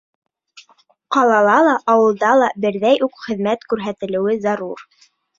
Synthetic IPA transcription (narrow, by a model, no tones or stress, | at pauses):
qɑlˠɑlˠɑlˠɑʔɑwɤ̆lˠd̪ɑlˠɑbɘ̆ɾðæjʉkχɘ̆ðmæt̪kʉɾɦæt̪ɘ̆lɘ̆wɘzɑɾuɾ